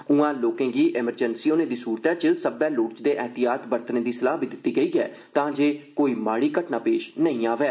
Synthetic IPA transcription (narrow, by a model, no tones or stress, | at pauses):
ʊãːloːkẽːɡiːʔɪməɾd͡ʒənsiːoːnẽːd̪iːsuːɾt̪ɛːt͡ʃəsəbɛːlʊːʈt͡ʃd̪eːʔɛːt̪ɪjaːt̪bəɾt̪nẽːd̪iːsəlaːɦbɪd̪ɪt̪ːiːɡəiːɛ̰ː | t̪ãːd͡ʒeːkoːiːmaːɽiːkəʈnaːpeːʃnəĩːaːʋɛː